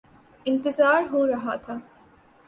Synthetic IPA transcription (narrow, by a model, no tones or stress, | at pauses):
ɪ̃nt̪ɪzaːɾɦoɾɐɦa̰t̪ʰaː